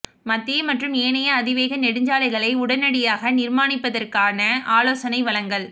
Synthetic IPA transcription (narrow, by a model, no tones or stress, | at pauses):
mɐt̪ːɪjɐmɐʈrɯmeːnɐjɐːðɪʋeːɣɐnɛɽɯɲd͡ʒaːlɐɪɣɐɭɐɪʊɽɐnɐɽɪjaːɣɐnɪɾmaːnɪpːɐðɐrkaːnɐaːloːsɐnɐɪʋɐlɐŋɡɐɭ